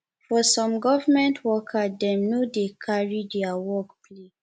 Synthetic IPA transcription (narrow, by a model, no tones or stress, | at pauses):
fɔsɔ̃mɡɔvamɛ̃ntʰwɔkʰadɛ̃mnodekʰaɹidɛawɔkpʰle